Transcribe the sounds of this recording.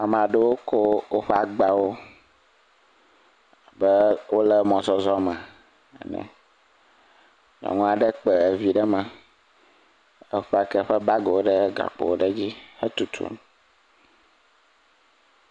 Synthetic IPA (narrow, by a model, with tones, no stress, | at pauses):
a˨mã˨ɖe˦wo˦ko˦wo˦ɸɛ˦a˨ɡ͡ba˨wo˦˨ | bə˦wo˦lɛ˦mɔ̃˨zɔ˦zɔ˦mɛ˨ | ɛ̰˨nɛ̰̃˨ | ɲɔ̰̃˨ŋɔ̃˦a˨ɖə˦k͡pɛ˨vi˦ɖɛ˦mã˨ | ə˦ɸɛ˦a˦˨kɛ˦ɸɛ˦ba˦ɡo˨wo˦ɖə˦ɡa̰˨k͡po̰˨wo˦ɖə˦d͡ʑi˦hə˦t̪u˨t̪ʰṵ˦ñ˨